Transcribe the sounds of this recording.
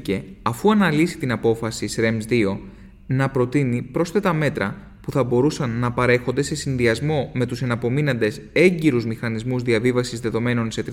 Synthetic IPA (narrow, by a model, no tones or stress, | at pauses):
ce̞ɐfuɐnɐlisi̥t̪inɐpo̞fɐsisɾe̞mzðio̞ | nɐpɾo̞t̪inipɾo̞st̪e̞t̪ɐme̞t̪ɾɐ | puθɐbo̞ɾusɐnːɐpɐɾe̞xond̪e̞se̞sinðiɐzmo̞me̞t̪use̞nɐpo̞minɐnd̪e̞se̞ɲɟiɾuzmixɐnizmuzðiɐvivɐsizðe̞ðo̞me̞no̞nse̞t̪ɾ